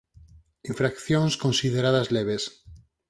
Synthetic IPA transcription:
iɱfɾakθjõnskõnsið̞eɾaðazleβes

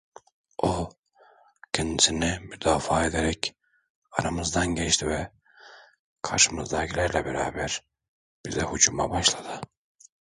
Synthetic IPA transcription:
o | cʰɛnd̪isinimyd̪aːfaːed̪eɾɛc | aɾamɯzd̪anɟet͡ʃt̪ʰivɛ | kʰa̰ɾʃɯmɯzd̪acʰilʲæɾlʲɛbɛɾaːbæɾ | b̥izd̪ɛhud͡ʒuma̰baʃlˠad̪̥ɯ

